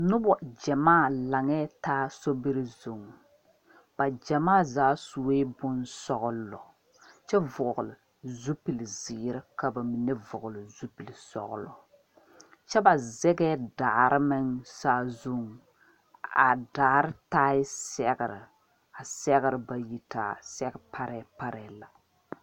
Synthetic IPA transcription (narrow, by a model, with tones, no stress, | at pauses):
nʊ˦bɔ˨d͡ʒɛ˨maː˦˨la˨ŋɛ˦taː˦so˦bi˦ɾɨ˦zu˨ŋ˨ | b̥a˨d͡ʒɛ˨maː˦˨zaː˦su˨eː˦bʊ˦nsɔ˦ɣʊ˦llɔ̰˨ | t͡ʃɛ˦vʊ˨ɣʊ˨lɪ˨ | zu˦pi˨lziː˨ɾɨ˦ka˨ba˨mi˨nɛ˦vʊ˨ɣʊ˨lɨ˨zu˦pi˨lsɔ̰˨ɣʊ˨lɔ˨ | t͡ʃɛ˦ba˨zɛ˦ɡɛ˦daː˨ɾʔɨ˦mɪ˦nsaː˦zu˦ŋ˨ | a˨daː˨ɾɨ˦taː˦ɪ˦sɛ˦ɣɪ˨ɾɪ˨ | a˨sɛ˦ɣɪ˦ɾɨ˨ba˨ji˦taː˨sɛ˦ɡɪ˦pʰa˦ɾɛ˨˦pa˦ɾɛ˨˦la˨